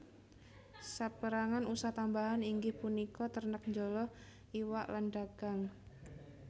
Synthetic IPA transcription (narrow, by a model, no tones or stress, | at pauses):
sapəɾaŋanusaht̪ambaɦaniŋɡɪhpunikɔt̪ərnək̚ɲd͡ʒolɔh | ʔiwaʔlanɖaɡ̥aŋ